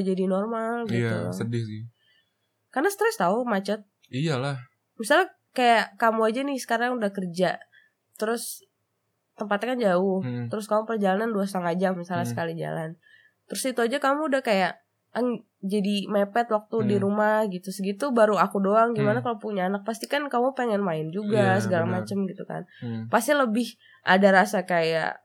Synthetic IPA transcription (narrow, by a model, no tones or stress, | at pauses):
d͡ʒadinɔrmalɡit̪ṵədɪ | karnast̪ɾɛst̪aʊmat͡ʃɔt̪̚ | ijalah | misalɲa | kajaʔkamuad͡ʒanɪhsə̥kaɾaŋudahkərd͡ʒa | t̪əɾʊs | t̪əmpat̪kand͡ʒaʊht̪əɾʊskamupərd͡ʒalananduas̬t̪aŋad͡ʒamisalɲasə̥kalid͡ʒa̰la̰n | t̪əɾʊsit̪uad͡ʒakamuːdahkajaʔ | əŋ | d͡ʒadimepɛt̪wak̚t̪udiɾumahɡit̪usəɡit̪ubaɾuakudoaŋɡimanakaloupuɲaːnak̚past̪ikankamupeŋɛnmaɪnd͡ʒuɡasəɡalamat͡ʃəmɡit̪uka̰npast̪iləbɪh | ʔadaɾasakaja̰ʔ